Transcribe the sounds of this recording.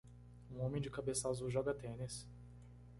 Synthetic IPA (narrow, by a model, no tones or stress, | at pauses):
ũõmẽj̃d͡ʒɪkabesazʊʒɔɡɐt̪ẽnis